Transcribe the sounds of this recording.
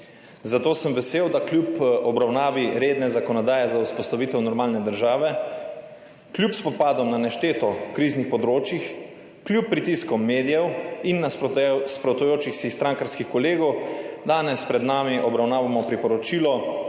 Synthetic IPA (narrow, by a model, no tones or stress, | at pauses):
zat̪oːsəmʋɛseːwd̪aklʲjupɔbɾawnaːʋiɾeːd̪nɛzakɔnɔd̪aːjɛzauspɔst̪aʋiːt̪ɛwnɔɾmaːlnɛd̪əɾʒaːʋɛ | kljupspɔpaːd̪ɔmnanɛʃt̪eːt̪ɔkɾiːznixpɔd̪ɾoːt͡ʃjix | kljupːɾit̪iskɔmːeːd̪ijɛwinːaspɾɔt̪ujoːt͡ʃixsixst̪ɾaŋkaɾskixkɔleːɡɔwd̪aːnɛspɾɛd̪naːmiʔɔbɾawnaːʋamɔpɾipɔɾɔt͡ʃiːlɔ